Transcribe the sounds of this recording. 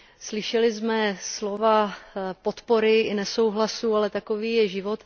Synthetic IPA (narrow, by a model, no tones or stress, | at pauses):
slɪʃɛlɪzmɛslo̞vapo̞t̪po̞ɾɪɪnɛso̞wɦlasuːalɛt̪ako̞viːjɛʒɪvo̞t̪